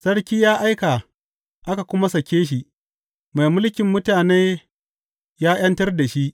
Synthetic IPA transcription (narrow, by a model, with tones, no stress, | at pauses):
sɐ˦ɽkʲiː˦jaː˦ʔa˦jka˨ | ʔa˦ka˨kʷʊ˦ma˦sɐ˨kʲːeː˦ʃ̬i˨ʔ | ma˨jmʊ˦lkʲɪ˨mːʊ˦taː˨neː˦ | jaː˦j̰ɐ˦ntɐ˦rda˨ʃi˦ʔ